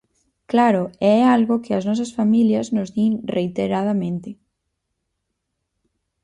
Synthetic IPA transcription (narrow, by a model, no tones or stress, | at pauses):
klaɾʊɛalɣokɪɐznɔs̬ɐsfamiljɐznʊzðinrʔejt̪eɾað̞ɐmẽnt̪ɪ